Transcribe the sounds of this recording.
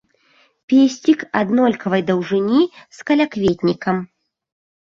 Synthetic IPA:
pʲesʲt͡sʲikad̪nɔlʲkɐvɐjd̪ɐwʐɨnʲiskɐlʲakvʲet̪ʲnʲikɐm

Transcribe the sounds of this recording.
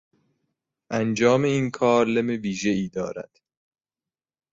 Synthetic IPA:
ʔænd͡ʒɒːme̞iːnkʰɒːɾlemeviːʒe̞iːd̪ɒ̰ːɾæ̰d̪̥

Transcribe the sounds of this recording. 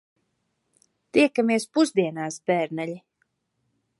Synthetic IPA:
t̪iɛkamiɛspuzd̪iɛnaːsbɛːɾnɛlʲi

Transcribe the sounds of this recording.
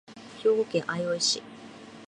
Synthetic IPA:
çʲo̞ːɡokẽɰʔaioiɕi

